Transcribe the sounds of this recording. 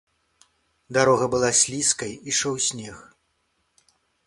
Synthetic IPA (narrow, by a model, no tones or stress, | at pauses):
d̪aɾɔɣɐbɨlˠasʲlʲiskɐjiʂɔwsʲnʲɛx